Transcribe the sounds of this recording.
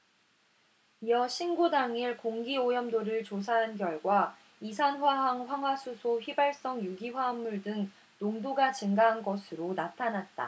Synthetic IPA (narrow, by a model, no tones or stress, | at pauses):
iʌɕʰinɡodaŋiɭkoŋɡiojʌmdoɾɯɭt͡ɕos̬ʰaɦanɡjʌɭɡwa | isʰanɸwaɦaŋɸwaŋɦwasʰusʰoɸɥibaɭs͈ʌŋjuɡiɸwaɦamːuɭdɯŋ | noŋdoɡat͡ɕɯŋɡaɦanɡʌsʰɯɾonatʰanat̚t͈a̰